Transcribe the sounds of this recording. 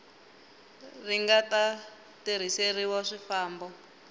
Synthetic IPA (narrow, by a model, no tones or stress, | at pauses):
riŋɡata | tiɾ̤iseriwɔʂifaːmbɔ